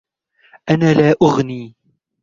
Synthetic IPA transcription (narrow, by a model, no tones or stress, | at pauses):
ʔanaːlaːʔʊɣniː